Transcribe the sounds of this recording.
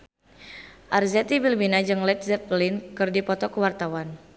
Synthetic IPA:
ʔarzɛt̪ibilminad͡ʒɨŋlɛt̪̚zɛt̪̚plinkɨrdipɔt̪ɔkəwart̪awan

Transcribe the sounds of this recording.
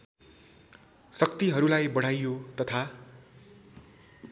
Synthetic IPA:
sʌkt̪iɦʌɾulajbʌɽ̤ajjot̪ʌt̪ʰa

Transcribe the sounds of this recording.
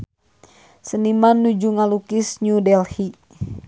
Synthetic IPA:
sənimanːud͡ʒuŋalukisɲudɛlhi

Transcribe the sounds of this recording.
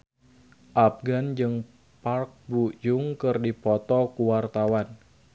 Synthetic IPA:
ʔap̚ɡand͡ʒɨŋ | park̚bujuŋkɨrdipɔt̪ɔkuwart̪awan

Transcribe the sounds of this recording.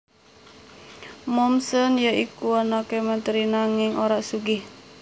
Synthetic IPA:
mɔmsənjaʔikuanakemənt̪əɾinaŋɪŋʔoɾaʔsuɡɪh

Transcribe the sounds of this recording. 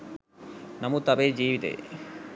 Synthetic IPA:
nɐmut̪ɐbed͡ʑiːʋit̪ḛ

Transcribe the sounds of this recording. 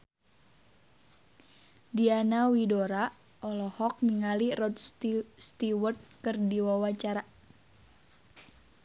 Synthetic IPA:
dianawidoɾa | ʔɔlɔhɔk̚miŋalirɔd̪st̪iwɔrt̪̚kɨrdiwawat͡ʃaɾa

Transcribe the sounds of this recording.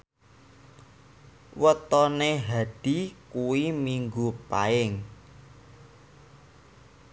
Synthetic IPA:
wət̪ɔneɦaɖ̥ikuwimiŋɡupa̰ɪŋ

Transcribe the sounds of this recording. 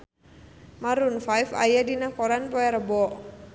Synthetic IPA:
maɾunfajfa̰jadinakɔɾanpɔjaɾəbɔʔ

